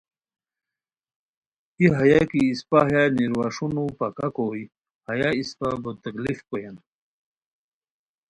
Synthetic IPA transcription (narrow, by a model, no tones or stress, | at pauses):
iɦajakiːspaɦjaniɾwaʂunupakakoj | hɐjaispabot̪əklifkojan